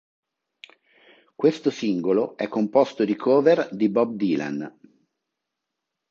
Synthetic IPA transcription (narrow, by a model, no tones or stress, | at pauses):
kwest̪osiŋɡoloɛkːompost̪od̪ikʰoːverd̪ibɔb̚d̪iːla̰n